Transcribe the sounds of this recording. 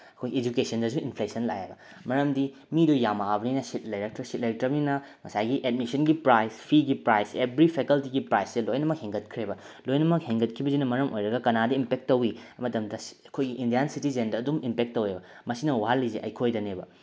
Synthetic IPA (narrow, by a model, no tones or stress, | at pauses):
ɐkʰojed͡ʒukesɐndɐs̬uinpʰlesɐnla̰jḛbɐ | mɐɾɐmdi | midujamaabɐninɐsit̚lɐjɾɐk̚tɾɐsit̚lɐjtɾɐbninɐ | ŋɐsajɡiʔed̚misɐnɡipɾajspʰiɡipɾajsebɾipʰekɐltiɡipɾajsdelojnɐmɐk̚heŋɡɐt̚kʰɾebɐ | lojnɐmɐk̚heŋɡɐt̚kʰibɐzinɐmɐɾɐmʔo̰jɾɐɡɐkɐnadɐimpek̚tːowiɐmɐtɐmdɐɐkʰojɡiʔindijansitizendɐːdumimpek̚tːowebɐmɐsinɐwaɦalːizeʔɐ̰jkʰojdɐnebɐ